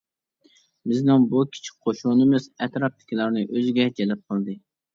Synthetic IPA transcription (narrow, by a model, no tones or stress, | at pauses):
bɪznɪŋbukʲʰi̥t͡ʃʰi̥k̚ʲqʰoʃunɨmɨzɛt̪ɾɑp̚t̪ʰɪ̥kʲilˠɑɾnɨʔøzɪɡʲɛd͡ʒɛlɛp̚qʰəlˠd̪ɨ